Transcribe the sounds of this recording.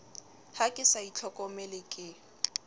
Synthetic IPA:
hakʼɪsait͡ɬʰɔkʼɔmɛlɪkʼɪ

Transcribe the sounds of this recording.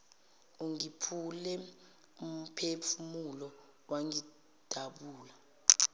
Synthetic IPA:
uŋipʰulɛ | um̩pʰefumulɔ | waŋi | d̥ʱaɓuːla

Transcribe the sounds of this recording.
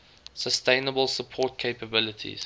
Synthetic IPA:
səstẽɪ̃nəbəlˠsəpʰɔt̚kʰeɪpəbɪlətʰḭz̥

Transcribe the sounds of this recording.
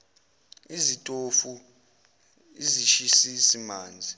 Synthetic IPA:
izitʼofu | iziʃisisimaːnd͡zʱi

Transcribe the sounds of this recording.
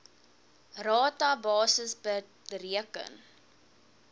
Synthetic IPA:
rɑːtɐbɑːsəsbə | ɾiəkə̰n

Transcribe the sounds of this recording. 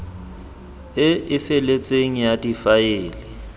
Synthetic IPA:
ɪɪfɛlet͡sʼeŋ̩jatʼifajeːlɪ

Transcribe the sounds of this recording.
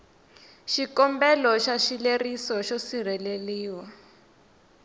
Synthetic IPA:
ʃikɔmbɛlɔʃaʃilerisɔʃosir̤ɛleliːwa

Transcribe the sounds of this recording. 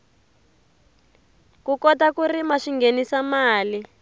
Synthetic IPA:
kukɔtakurimaʃiŋɡenisamaːli

